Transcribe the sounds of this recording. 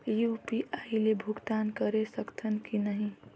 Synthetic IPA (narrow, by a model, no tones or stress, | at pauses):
jupiʔailebʱʊɡt̪ankəɾesəkt̪ʰənkinəɦĩ